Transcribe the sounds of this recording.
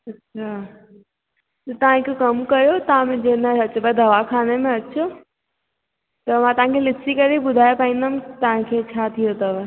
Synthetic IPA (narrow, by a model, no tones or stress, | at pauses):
ɐtːɕʰa | t̪ɐt̪ɐʋãkʰokɐmkɐɾjot̪ãmẽd͡ʑenəɐt͡ʃbəd̪ʱɐʋakʰaːnemẽɐtːʃʰo | t̪ɐmãt̪ɐʋɦãkʰelɪsikɐɾibʊd̪ʱaːjepaːĩnd̪amt̪ɐʋ̤ãkʰet͡ɕʰat̪ʰijot̪ɐʋ